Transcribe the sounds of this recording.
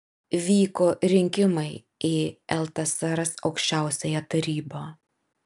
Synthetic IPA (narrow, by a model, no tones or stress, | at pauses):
ʋʲiːkoːɾʲɪŋʲkʲɪmɐɪ | iɛlˠt̪ɐsɑɾɐsɒʊkʃʲt͡ʃʲæˑʊsʲɛjɛt̪ɐɾʲiːboː